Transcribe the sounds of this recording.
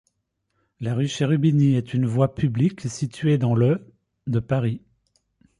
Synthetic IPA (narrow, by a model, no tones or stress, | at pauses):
laʁyʃeʁybiniɛt̪ynvwapʰybliksit̪ɥed̪ɑ̃lə | d̪əpaʁi